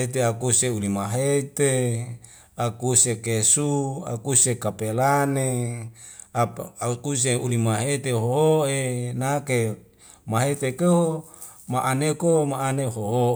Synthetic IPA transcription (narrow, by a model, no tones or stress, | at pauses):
et̪eakuseulimaɦet̪e | akusekesua̰kusekapelane | auk̪us̬eulimaɦet̪eɦoɦoʔenake | maɦet̪ekeo | maʔanekomaaneɦoɦo